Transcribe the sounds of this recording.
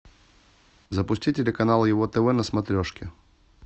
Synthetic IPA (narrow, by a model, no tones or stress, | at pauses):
zɐpʊsʲtʲitʲɪlʲɪkɐnalˠjɪvot̪ɛvɛnɐsmɐt̪ɾʲɔʂkʲɪ